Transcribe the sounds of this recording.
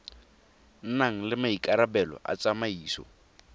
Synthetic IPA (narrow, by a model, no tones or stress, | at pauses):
n̩naŋ̩lɪmaikʼaɾabɛlɔ̰ʔa̰t͡sʼamaiːsɔ̰